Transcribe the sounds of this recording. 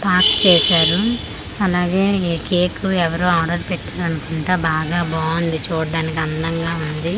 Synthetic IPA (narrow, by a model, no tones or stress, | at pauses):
paːkt͡ʃɛːʃaːɾu | ɐlaːɡe̞ːkeːkuɛʋɐɾoːaːɖɐɾpɛʈːaːɾɐnukuɳʈeːbaːɡaːbaːnd̪it͡ʃuːɽɐɖaːnikiɐnd̪ɐŋɡaːund̪i